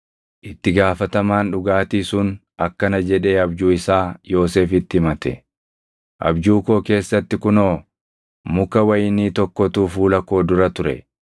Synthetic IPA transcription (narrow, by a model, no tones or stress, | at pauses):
ʔɪt̪ːɪɡaːfɐt̪ɐmaːnᶑʊɡaːt̪iːsʊn | ɐkːɐnɐd͡ʒɛᶑe̞ːɐbd͡ʒuːɪsaːjo̞ːse̞ːfɪt̪ːɪɪmɐt̪ɛ̰ | ʔɐ̰bd͡ʒuːko̞ːke̞ːsːɐt̪ːɪkʊno̞ː | mʊkɐwɐjɪniːt̪ɔkːɔt̪uːfuːlɐko̞ːd̪ʊɾɐt̪ʊɾɛ̰